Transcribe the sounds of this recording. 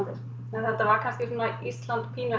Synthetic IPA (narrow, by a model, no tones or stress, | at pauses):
t̪ɪɾ̥ | ɛnθɛht̪ːavaɾkʰanscɪsunaist̪lant̪pʰiːna